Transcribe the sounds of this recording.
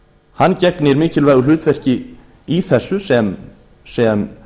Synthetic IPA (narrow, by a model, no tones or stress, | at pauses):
hancɛknɪɛɾmɪːcɪlvaːjɣʏɾlʏːt̪vɛr̥cɪ | iθɛsːʏsɛm | sɛm